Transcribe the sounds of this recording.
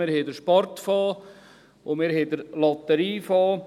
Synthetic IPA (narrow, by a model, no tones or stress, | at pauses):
ɪɾhedəɾʃpɔɾt̪fɑː | ʊmɪːɾhed̪əɾlɑt̪əɾiːfɑː